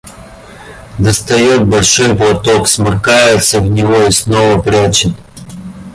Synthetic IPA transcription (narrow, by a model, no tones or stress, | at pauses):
d̪ɐst̪ɐjot̪̚bɐlʲʂojplˠɐt̪oksmɐrkajɪt̪səvnʲɪvoisnovəpɾʲat͡ɕɪt̪